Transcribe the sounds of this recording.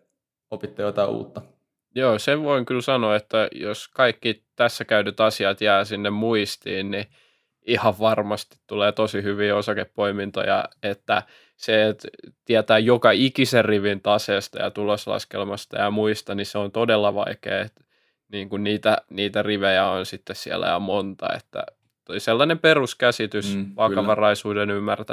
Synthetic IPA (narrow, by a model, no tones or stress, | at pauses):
opit̪ːejot̪ɑiʔṵːt̪ːɑ | joːseʋʋoiŋkylsɑnoet̪ːæjoskɑikːit̪æsːækæyt̪yt̪ɑsiɑt̪jæːsinːemmuist̪iːnni | ihɑʋʋɑrmɑst̪i̥t̪tuleːt̪osihyʋiːosɑkeppoimint̪o̰jɑ̰et̪ːæ̰ | seet̪t̪iæt̪æːjjokɑikiserriʋint̪ɑseːst̪ɑ̰jɑ̰t̪uloslɑ̰skḛlmɑst̪ɑ̰jɑmuist̪ɑniseont̪odelːɑʋɑ̰ikḛːet̪ | niːŋkunniːt̪æniːt̪æriʋejæonsit̪ːessiæ̰læ̰jɑ̰mont̪ɑ̰ḛt̪ːæ̰ | t̪oiselːɑnemperuskæsit̪ysʋɑkɑʋɑrɑisuːdenymːært̪æ